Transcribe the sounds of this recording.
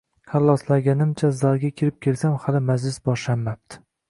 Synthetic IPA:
kʰalˠːɒslaɡʲanɪmt͡ʃʰazaɾɡʲakʲʰeɾɪp̚kʲe̞lsamhalɪmad͡ʒlɪsbɒʃlanːap̚t̪ʰɪ̥

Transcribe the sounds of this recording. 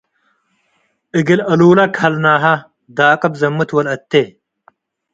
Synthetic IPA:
iɡilɐluːlɐkʰɐlnaːɦɐ | d̪aːqɐbzɐmːut̪ʰwɐlɐt̪ːe

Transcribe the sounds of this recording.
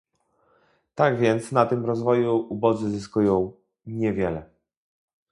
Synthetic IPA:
t̪aɡvʲjɛnt̪snat̪ɘmɾɔzvɔjuubɔd̪zɘzɘskujɔ̃w̃ | ɲɛvʲjɛlɛ

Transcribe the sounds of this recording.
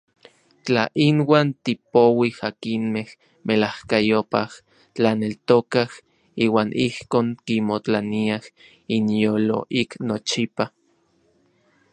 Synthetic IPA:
t͡ɬa̰ʔinwaːnt̪ipowihakinmeh | mʔelahkajopah | t͡ɬanelt̪okah | iːwaːnʔihkoːŋkimot͡ɬaniah | injoːlo̰ʔiknot͡ʃipa

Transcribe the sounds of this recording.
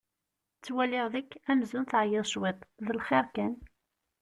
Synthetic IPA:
t͡sːwælɪʁðækːæmzunθʕjɪðˤʃwɪt̪ˤðəlχɪɾkæn

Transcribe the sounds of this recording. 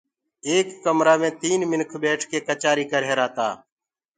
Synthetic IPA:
eːkːəmɾaːmẽːt̪iːnmɪnkʰbeːʈʰkeːkət͡ʃaːɾiːkəɾɦeːɾaːt̪aː

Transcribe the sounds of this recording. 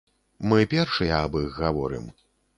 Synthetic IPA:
mɨpʲɛrʂɨjɐɐbiɣɣavɔ̰ɾɨ̰m

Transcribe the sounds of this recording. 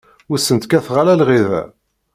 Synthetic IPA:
ʊsːənt̪kæθʁalælʁiðæ̰

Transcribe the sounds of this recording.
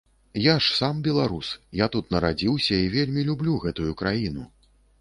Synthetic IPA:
jaʂsambʲɛlˠaɾusjat̪ut̪nɐɾad͡zʲiwsʲɐivʲelʲmʲilʲublʲuɣɛt̪ujukɾajinṵ

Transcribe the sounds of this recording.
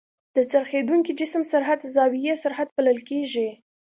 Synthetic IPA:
d̪̥ət͡saɾxed̪uŋkid͡ʒɪsmsaɾɦad̪zɑwijesaɾhad̪̚paləlkeʒi

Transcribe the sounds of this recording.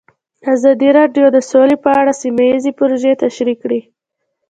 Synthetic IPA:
azɑd̪iɾɑɖjod̪əsolepəaɽasimajizepʊɾoʒet̪aʃɾikɽi

